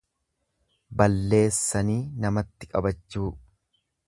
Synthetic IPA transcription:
bɐlːe̞ːsːɐniːnɐmɐt̪ːɪkʼɐbɐt͡ʃːuː

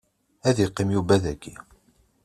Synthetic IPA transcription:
æðiqːimjubæðækːḭ

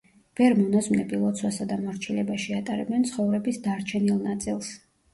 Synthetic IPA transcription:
b̥ɛɾmunasmnɛpʼilˠɔt̪sʰwasad̪amɔɾt͡ʃʰilɛbaʃiat̪ʼaɾɛbɛnt̪sʰχɔvɾɛbisd̪aɾt͡ʃʰɛnilˠnat̪sʼilˠs

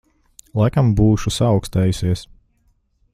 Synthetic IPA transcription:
lˠajkambuːʃusaːwkst̪ɛːjusiɛs

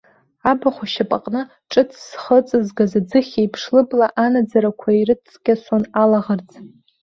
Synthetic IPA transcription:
abaχʷaʃapʼaqʼnɨ | ʈ͡ʂʼɨt͡sʰsχət͡sʼɨzɡazad͡zɨχʲejpʰʂlɨblaʔanad͡zaɾakʷʰairɨt͡sʰʼɡ̥ʲasonalaʁərt͡sʼ

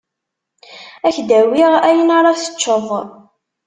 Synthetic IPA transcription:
æçd̪æwiʁæjənaɾˤɑθə̥t͡ʃːəðˤ

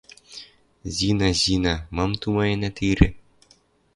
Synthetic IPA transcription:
zinɑʑinamɑmt̪umɑjɤnat̪iɾʲɘ̰̆

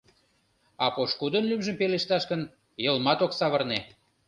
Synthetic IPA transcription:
ɑpoʃkud̪ənlymʒəmpeleʃt̪ɑʃkən | jəlmɑt̪oksɑβərne

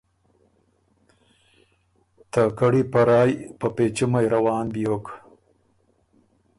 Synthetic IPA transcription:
t̪akɐɽipɐɾaːjpɐpet͡ʃimɐjɾɐwɑːnbijoːk

